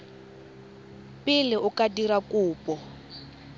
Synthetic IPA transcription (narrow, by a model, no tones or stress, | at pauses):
pʼɪlɪʊkadiɾakʼʊːpʼɔ